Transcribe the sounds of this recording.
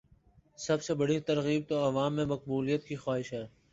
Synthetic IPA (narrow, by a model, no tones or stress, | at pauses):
sɐbsebɐɽit̪ɐɾɣiːb̚t̪oɐʋaːmːẽmɐq̚buːlijət̪kixaːɦɪʃɦɛː